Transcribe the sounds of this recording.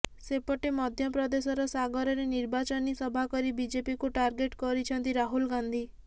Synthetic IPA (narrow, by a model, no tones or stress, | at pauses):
sepɔʈemɔd̪ʱjɔpɾɔd̪esɔɾɔsaɡɔɾɔɾeniɾbat͡ʃɔnisɔbʱakɔɾibid͡ʒepikuʈaɾɡeʈkɔɾit͡ʃʰɔnt̪iɾaɦulɡand̪ʱi